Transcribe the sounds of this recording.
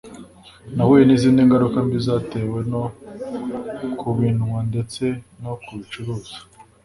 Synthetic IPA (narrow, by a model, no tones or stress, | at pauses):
nawejeniziːndiŋɡaɾukambizaːte̞we̞no̞ | kʰuβinŋwande̞t͡se̞nokuβit͡ʃuɾoːz̥ḁ